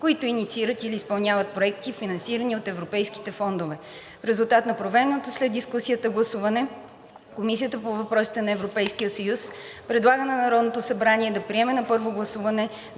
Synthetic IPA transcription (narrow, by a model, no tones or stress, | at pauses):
koit̪ʊinit̪siiɾət̪iliːspɐlˠnʲavət̪̚pɾoɛkt̪ifinɐnsiɾəniot̪ɛvɾopɛjski̥t̪ɛfɔnd̪ovɛ | fɾɛzulˠt̪at̪nɐpɾovɛɾnot̪oslɛd̪d̪iskusijət̪əɡlˠɐsuvɐnɛ | komis̬ʲijət̪əpovɐpɾɔsi̥t̪ɛnɐɛvɾopɛjskijəsɐjuspɾɛd̪lˠaɡənɐnɐɾɔd̪not̪osɐbɾaniɛd̪ɐpɾiɛmɛnɐpɤɾvoɡlˠɐsuvɐnɛ